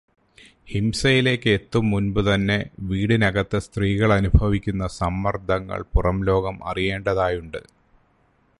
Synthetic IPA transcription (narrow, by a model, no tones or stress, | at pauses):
himsɐjile̞ːkːɨet̪ːumːunbɨt̪ɐnːe̞ʋiːɽinɐɣɐt̪ːɨst̪riːɣɐɭɐnubʱɐʋikʲːunːɐsɐmːɐrd̪ʱɐŋːɐ̰ɭpurɐmlo̞ːɡɐmɐ̰rije̞ːɳɖɐðaːjuɳɖɨ